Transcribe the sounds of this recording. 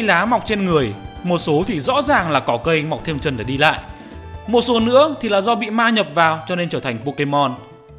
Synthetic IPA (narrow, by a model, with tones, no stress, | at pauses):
laː˨˦ma˨˩wk͡p̚t͡ɕe˧nŋɨ˨˩əjmo˨˩t̚so˨˦t̪ʰi˨˩zɔ̰˧˥zaː˨˩ŋlaː˨˩kɔ˨˦kə˧jma˨˩wk͡p̚t̪ʰmt͡ɕə˨˩nɗae˧˩ɗi˧la̰ː˧˨jʔ | mo˨˩t̚so˨˦nɨ̰˧˥ət̪ʰi˨˩laː˨˩zɔ˧ɓḭ˧˨maː˧ɲə˨˩p̚vaː˨˩wt͡ɕɔ˧ne˧nt͡ɕəː˧˩t̪ʰa˨˩ŋ̟po˧ke˧mɔ˧n